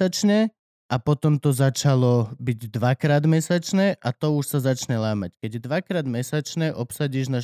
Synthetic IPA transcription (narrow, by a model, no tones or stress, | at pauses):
at͡ʃɲɛ | ʔapɔt̪ɔmt̪ɔzat͡ʃalɔbiɟd̪ʋakɾaːd̪mɛsat͡ʃnɛʔʔat̪ɔuʃsazat͡ʃɲɛlaːmackɛɟɛd̪ʋakɾaːd̪mɛsat͡ʃnɛʔɔpsaɟiːʒna